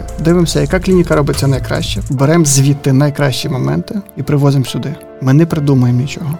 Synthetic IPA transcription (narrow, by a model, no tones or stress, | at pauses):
d̪ɪʋemsʲɐjɐkaklʲinʲikɐɾɔbɪt͡sʲːɐnɐjkɾɑ̰ʃt͡ʃɛbeɾɛmzʲʋʲit̪ːɪnɐjkɾɑʃt͡ʃimɔmɛ̰nt̪ɪipɾɪʋɔzɪmsʲʊd̪ɪ | mɪnɛpɾɪd̪umʊjemnʲit͡ʃɔɦɔ